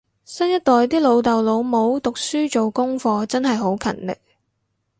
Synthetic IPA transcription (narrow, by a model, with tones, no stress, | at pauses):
sɐ˥njɐ˥t̚t̪ɔː˨jt̪iː˥lo˨˧wt̪ɐ˨wlo˨˧wmo˨˧wt̪ʊ˨k̚syː˥t͡ʃo˨wkʊ˥ŋfɔː˧t͡sɐ˥nɦɐ˨jɦo˨˥wkʰɐ̰˨˩nlɪ̰˨k̚